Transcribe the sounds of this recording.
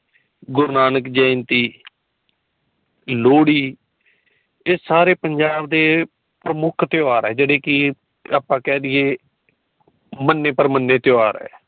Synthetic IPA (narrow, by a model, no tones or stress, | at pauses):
ɡʊɾnaːnəkd͡ʒəːnt̪iː | loːɽiː | ɪsaːɾeːpəɲd͡ʒaːbd̪eː | pɾəmʊkʰt̪eaːɾɛːd͡ʒeːɽeːkɪ | aːpːãːkɛ̃ːd̪ɪeː | mənːeːpəɾmənːeːt̪eaːɾɛ̰ː